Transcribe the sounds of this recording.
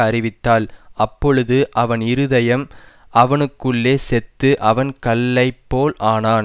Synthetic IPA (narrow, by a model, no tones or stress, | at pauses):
ɐɾɪʋɪt̪ːaːlʔɐpːɔɻɯðɯʔɐʋɐnɪɾɯðɐjɐm | ʔɐʋɐnɯkːɯɭːeːsɛt̪ːɯʔɐʋɐnkɐlːɐɪpːoːlʔaːnaːn